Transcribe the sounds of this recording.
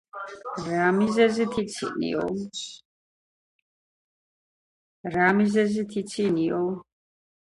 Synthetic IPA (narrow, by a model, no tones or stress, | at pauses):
ɾamizɛzit̪ʰit̪sʰḭnḭɔ̰s | ɾamizɛzit̪ʰit̪sʰiniɔ